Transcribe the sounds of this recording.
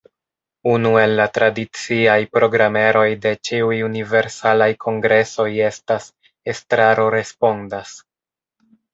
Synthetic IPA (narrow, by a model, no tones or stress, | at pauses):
unue̞lːatɾadit͡siajpɾo̞ɡɾame̞ɾo̞jde̞t͡ʃiujunive̞ɾsalajkʰo̞ŋɡɾe̞so̞je̞stas | e̞stɾaɾo̞ɾe̞spo̞ndas